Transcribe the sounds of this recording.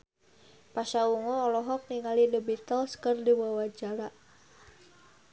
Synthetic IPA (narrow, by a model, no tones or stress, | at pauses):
paʃauŋɔːlɔɦɔk̚niŋalinəbit̪alskərdiwawad͡ʒaɾa